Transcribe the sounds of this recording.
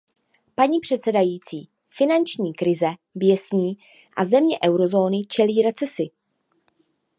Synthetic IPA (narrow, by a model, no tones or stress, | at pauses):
paɲiːpr̝̥ɛt̪sɛdajiːt͡siː | fɪnant͡ʃɲiːkɾɪzɛbjɛsɲiː | ʔazɛmɲɛʔɛwɾo̞zo̞ːnɪt͡ʃɛliːɾɛt͡sɛsɪ